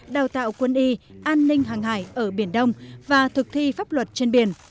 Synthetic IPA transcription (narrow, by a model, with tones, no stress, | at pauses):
ɗaː˨˩wt̪a̰ː˧˨wkwə˧nʔi˧ʔaː˧nːï˧ŋ̟ɦaː˨˩ŋɦa̰ː˧˩jʔəː˧˩ɓi˧˩ənɗə˧wŋ͡mvaː˨˩t̪ʰɨ˨˩k̚t̪ʰi˧faː˦˥p̚lwə˨˩t̚t͡ɕe˧nɓi˧˩ən